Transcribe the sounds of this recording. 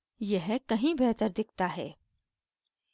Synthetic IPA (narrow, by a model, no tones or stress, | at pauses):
jeɦkɐɦĩbɛɦt̪əɾd̪ɪk̚ʰt̪aɦɛː